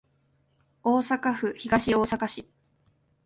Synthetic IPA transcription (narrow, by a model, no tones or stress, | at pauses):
oːsakaɸɯ̟çiɡaɕio̞ːsakaɕi